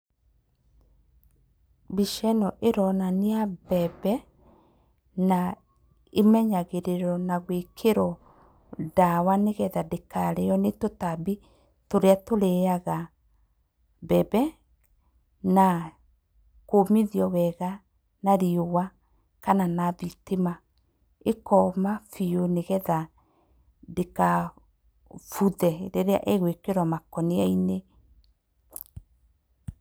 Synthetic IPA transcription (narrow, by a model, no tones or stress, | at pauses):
biʃɛnɔʔeɾɔnaneabɛbɛ | na | emɛɲaɣeɾeɾɔnaɣwekʰeɾɔ | dawaneɣɛðadekaɾejɔnetotabi | toɾeatoɾeaɣa | bɛbɛ | na | komiðiɔwɛɣa | naɾiowa | kananaβitema | ekɔmafioneɣɛða | deka | fuðɛɾeɾea̰ʔeɣwekeɾwɔmakɔniaine